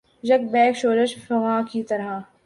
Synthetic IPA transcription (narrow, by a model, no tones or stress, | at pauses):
d͡ʒɐk̚bɛːkʃoːɾəʃfɐɣaːkit̪ɐɾɦaː